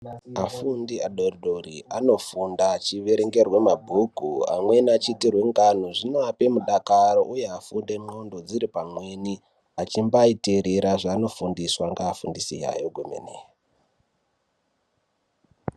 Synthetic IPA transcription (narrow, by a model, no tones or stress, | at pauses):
afundiaɗoroɗorḭano̞fundat͡ʃiʋe̞ɾeŋɡe̞rwe̞mabʱukua̰mwe̞nat͡ʃitirwe̞ŋɡan̤uʐinoape̞muɗakaɾo̞ʔujeafunde̞mondo̞d͡ziɾipamwe̞ni | at͡ʃimbaiteɾeɾaʐaːno̞fundiswaŋɡaːfundisḭja̰joɡʱomḛneːja